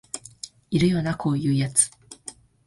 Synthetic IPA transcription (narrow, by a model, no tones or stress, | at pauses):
iɾɯ̟jo̞ːnakʰo̞ːjɯ̟ːjat͡sɨ̥